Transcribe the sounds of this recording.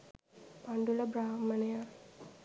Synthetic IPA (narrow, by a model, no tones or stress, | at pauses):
paɳɖulɐbɾaːmənejaː